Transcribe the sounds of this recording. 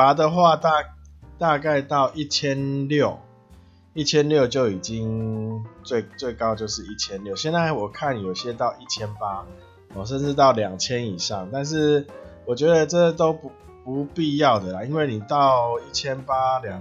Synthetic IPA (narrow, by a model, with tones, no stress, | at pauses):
a˨˥d̪ə˨xwa˥˧t̪a˥˧t̪a˥˧ka˥˧ɪt̪ɑ˥˩˧ʊʔi˥˧t͡ɕʰjɛ˦nljo˥˨ʊ | i˥˩t͡ɕʰjɛ˦˥nljo˥˨ʊt͡ɕjo˥˩ʊi˨˩t͡ɕi˦ŋ | t͡swe˥˩ɪt͡swe˥˩ɪkɑ˦ʊt͡ɕjo˥˧ʊʂɻ̩˥˧i˥˩t͡ɕʰjɛ˦nljo˥˩ʊɕjɛ˥˧nt͡sa˥˩ɪwɔ˨˩kʰa˥˨njo˨˩ʊɕjɛ˦t̪ɑ˥˧ʊʔi˥˩t͡ɕʰjɛ˦npa˦ | ɔ˨˩ʂ̬ə˥˧nʈ͡ʂɻ̩˥˧t̪ɑ˥˩ʊlja˨˩ŋt͡ɕʰjɛ˦˥ni˨˩ʂɑ˥˩ŋt̪a˥˧nʂ̬ɻ̩˥˨wɔ˨˩t͡ɕɥɛ˧˦d̪ə˨ʈ͡ʂɤ˥t̪o˥ʊp | pu˨˦pi˥˧jɑ˥˩ʊd̪ə˩la˨˩i˦nwe˥˩ɪni˨˩t̪ɑ˥˨˧ʊi˥˩t͡ɕʰjɛ˦npa˦lja˨ŋ